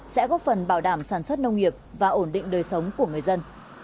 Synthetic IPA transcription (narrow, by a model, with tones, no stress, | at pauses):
sɛ̰˧˥kɔ˨˦fə˨˩nɓaː˧˩wɗaː˧˩msaː˧˩nswə˦˥t̚nə˧wŋ͡mŋi˨˩əp̚vaː˨˩ʔo˧˩nɗḭ˧˨ŋ̟ɗəː˨˩jsə˨˦wŋ͡mku˧˩əŋɨ˨˩əjzə˧n